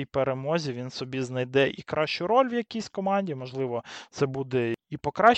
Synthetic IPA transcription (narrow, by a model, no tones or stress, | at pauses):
jpeɾemɔzʲiʋʲinsɔbʲiznɐjd̪ɛʔikɾɑʃt͡ʃʊɾɔlʲwjɐkʲijsʲkɔmɑnʲdʲimɔʒlˠɪʋɔt̪ɛbud̪ɛipɔkɾɑ